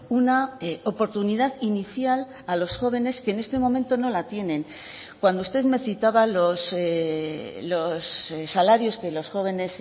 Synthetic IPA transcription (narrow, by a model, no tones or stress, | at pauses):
unaopo̞ɾt̪uniðaðiniθjal | alo̞sxo̞β̞e̞ne̞skeːne̞st̪e̞mõ̞mẽnt̪ono̞lat̪je̞nẽ̞ŋ | kwand̪oust̪e̞ðme̞θit̪aβalo̞s | lo̞sːalaɾjo̞ske̞lo̞sxo̞βe̞ne̞s